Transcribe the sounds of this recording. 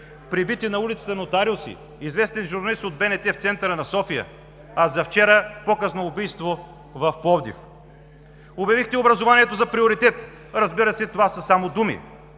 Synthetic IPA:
pɾibit̪inɐulit̪sə̥t̪ɐnot̪aɾilˠsḭ | izvɛst̪ɛnʒʊɾnɐlist̪od̪̚bɛnɛt̪ɛft̪sɛnt̪əɾənɐsɔfijə̰ | ɐzɐft͡ʃɛɾəpokəsnoːbijst̪vo | vɐfpɔvd̪ḭf | objɐvixt̪ɛobɾɐzovaniɛt̪ozɐpɾioɾit̪ɛt̪ | ɾɐzbiɾəsɛt̪ovasəsamod̪umḭ

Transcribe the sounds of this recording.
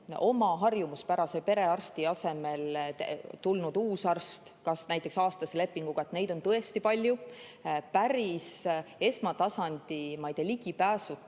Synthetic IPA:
o̞mɑɦɑrjumuspæɾɑse̞pe̞ɾe̞ɑrst̪iɑse̞me̞l | t̪ulnud̪̥uːsɑrst̪kɑsnæjt̪ːˑe̞ksɑːst̪ɑsele̞pːˑiŋɡ̥uɡ̥ɑe̞t̪ne̞jd̪̥o̞nt̪ɤe̞st̪ipɑlʲju | pæɾise̞smɑt̪ɑsɑnʲd̪̥imɑjd̪̥e̞liɡ̥ipæːsu

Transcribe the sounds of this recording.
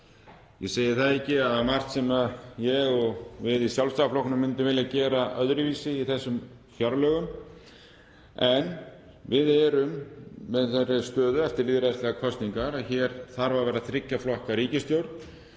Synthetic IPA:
jɛseːjɪɾθaðɛcɪaðmar̥t̪sɛmaðjɛɣɔɣvɪðisjalvst̪aflɔwknʏmːɪnt̪ʏvɪljacɛːɾaʔœðɾɪviːsɪiθɛsːʏm | fjaɾlœːɣʏm | ɛn | vɪðɛɾʏmːɛðθɛrːɪ̥st̪œːðʏɛft̪ɪɾliːðɾast̪lɛɣakʰɔst̪niŋkaɾaðçɛɾ̥θaɾvaɾvɛːɾaθɾɪcːaflɔhkaɾiːcɪst̪jowɾt̪̚n

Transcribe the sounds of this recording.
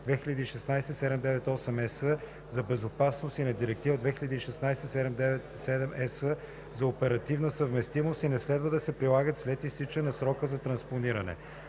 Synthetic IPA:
d̪vɛxiʎʲəd̪iːʃɛsnajsɛsɛd̪ɛmd̪ɛvɛt̪ɔsɛmɛsə | zɐbɛzopasnost̪inɐd̪iɾɛk̚t̪ivəd̪vɛxiʎʲəd̪iːʃɛsnajsɛsɛd̪ɛmd̪ɛvɛt̪sɛd̪ɛmɛsə | zɐopɛɾɐt̪ivnəsəvmɛst̪imost̪inɛslɛd̪vəd̪ɐsɛpɾilˠaɡət̪slɛt̪ist̪it͡ʃənɐsɾɔkəzɐt̪ɾɐnsponiɾɐnɛ̰

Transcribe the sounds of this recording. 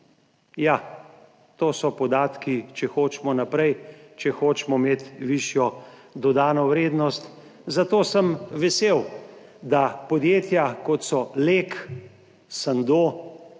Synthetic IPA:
ja | t̪oːsɔpɔd̪aːt̪kit͡ʃɛxoːt͡ʃmɔnapɾɛjt͡ʃɛxoːt͡ʃmɔmeːt̪ʋiʃjɔ | d̪ɔd̪aːnɔwɾeːd̪nɔst̪ | zat̪oːsəmʋɛseːwd̪apɔd̪jeːt̪jakɔt̪sɔlek | sand̪oː

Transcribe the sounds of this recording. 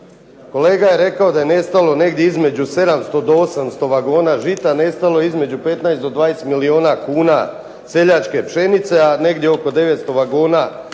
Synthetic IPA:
ko̞le̞ːɡaje̞ɾe̞kao̞d̪aje̞ne̞st̪alo̞ne̞ɡd̪jeizme̞d͡ʑuse̞d̪amst̪o̞d̪oosamst̪o̞ʋaɡoːnaːʒit̪ane̞st̪alo̞izme̞d͡ʑupe̞t̪najsd̪od̪ʋaːjesmilio̞ːnakuːna̰ | se̞ʎat͡ʃke̞pʃe̞nit̪se̞ane̞ɡd̪jeo̞ko̞d̪e̞ʋe̞t̪st̪o̞ʋaɡoːna

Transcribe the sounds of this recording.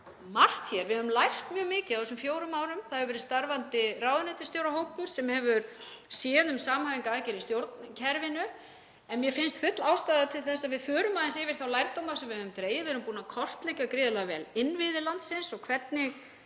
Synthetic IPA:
mar̥t̪çɛɾvɪðhœvʏmlajr̥t̪mjœːɣmɪːcɪawθɛsʏmfjoːwɾʏmaːwɾʏmθaðɛʏɾvɛːɾɪst̪aɾvant̪ɪraːwðʏnɛt̪ɪst̪jowɾaɦoːwpʏɾ̥sɛmhɛvʏɾ | sjɛːnʏmsaːmhaːviŋkaaːcɛɾist̪jowɾt̪ncʰɛɾvɪnʏ | ɛnmjɛfɪnst̪fʏt̪laːwst̪aːðat̪ʰɪlθɛsːaðvɪðfœːɾʏmaðɪnsɪːvɪɾ̥θawlajɾt̪owmaɾsɛmvɪhœðʏmt̪ɾeːjɪvɛɾʏmpuːnakʰɔr̥t̪lɛjcakɾɪːðʏlaɣvɛ̰lɪnːvɪðɪlant̪sɪnsɔkʰvɛt̪nɪɣ

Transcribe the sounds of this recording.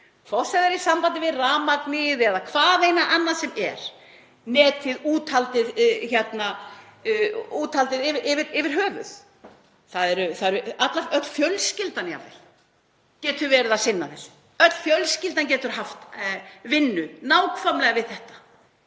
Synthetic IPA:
fɔsɛðaɾisampant̪ɪvɪðraːmaknɪðɛðakʰv̥aːðejnaʔanːasɛmɛɾ̥ | nɛːt̪ɪðuːt̪ʰalt̪ɪðçɛt̪na | uːt̪ʰalt̪ɪðɪvɪʔɪvɪɾɪvɪɾ̥ɦœːvʏ̰θ | θaðɛɾʏθaðɛɾʏat̪laœt̪l̥fjœlscɪlt̪anja̰vðɛ̰l | cɛːt̪ʏɾvɛːɾɪðasɪnːaðɛ̰l̥ | œt̪l̥fjœlscɪlt̪̬anc̬ɛːt̪ʏɾ̥ɦaft̪vɪnːʏnaːwkʰfamlɛɣavɪðθɛht̪ḁ

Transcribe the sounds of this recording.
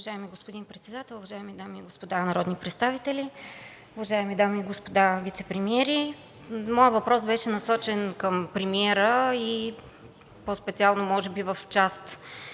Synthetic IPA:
ʊvɐʒaɛmiɡospod̪inpɾɛt̪sɛd̪at̪ɛlˠʊvɐʒaɛmid̪amiːɡospod̪anɐɾɔd̪nipɾɛt̪st̪avit̪ɛli | ʊvɐʒaɛmid̪amiːɡospod̪avit̪sɛpɾɛmiɛɾi | mɔjəvɐpɾɔsbɛʃɛnɐsɔt͡ʃɛnkəmpɾɛmiɛɾəi | pɔspɛt̪sialˠnomɔʒɛbivəft͡ʃast̪

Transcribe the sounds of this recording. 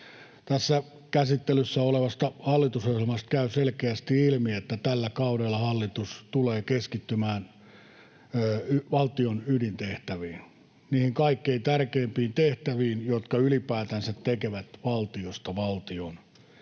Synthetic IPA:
t̪æsːæ | kæsit̪ːelysːæoleʋɑst̪ɑhɑlːit̪usohjelmɑst̪̚kæyselkeæst̪iilmiet̪ːæt̪ælːækɑudelːɑhɑlːit̪ust̪uleːkeskit̪ːymæːn | yʋɑlt̪ionydint̪eht̪æʋiːn | niːhiŋkɑikːeint̪ærkeːmpiːnt̪eht̪æʋiːnjot̪kɑylipæːt̪ænsæt̪tekeʋæt̪ʋɑlt̪iost̪ɑʋɑlt̪ion

